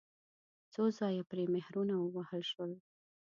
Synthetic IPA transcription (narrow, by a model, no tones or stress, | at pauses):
t͡sozɑjapɾemehɾunawəwahəlʃwəl